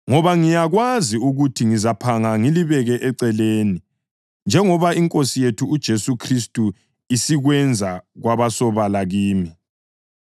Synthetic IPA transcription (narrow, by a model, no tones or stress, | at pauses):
ŋɔβaŋijaɣwaziuɣutʰiŋizapʰaŋaŋiliβɛɣɛʔɛǀɛleːni | nd͡ʒʱɛŋɔβaiŋkʼosijetʰuːd̥ʒ̥ʱesukʰristʼu | isiɣwɛnd͡zʱaɣwaβasɔβalaɣiːmi